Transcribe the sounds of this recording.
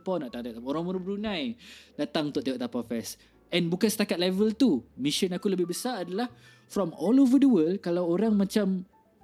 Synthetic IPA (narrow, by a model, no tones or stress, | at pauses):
pɔnaʔt̪aŋt̪aʔt̪aoɾaŋməɾubəɾunãjdaʔt̪aŋt̪ʊʔ̪ejɔʔt̪apafɛs | ɛ̃nbukansə̥t̪akat̪̚lɛvəlt̪umĩʃənakuləbɪhbəsaadalah | fɾɔmɔlovədəwəlkalawoɾaŋmãt͡ʃam